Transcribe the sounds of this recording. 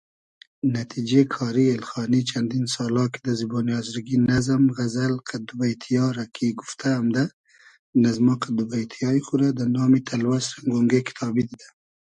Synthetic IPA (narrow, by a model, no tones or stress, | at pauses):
nat̪ʰid͡ʒekʰɑːɾielxɑːnit͡ʃʰand̪insɑːlɑki̥d̪azibonjɑːzɾɡinazamɣazalqʰad̪ubajt̪ʰijɑːɾakʰiɡuft̪ʰaːmd̪a | nazmɑqad̪ubajt̪ʰijɑixuɾad̪anɑːmit̪ʰalwasɾaŋɡoŋɡekʰi̥t̪ʰɑːbid̪id̪a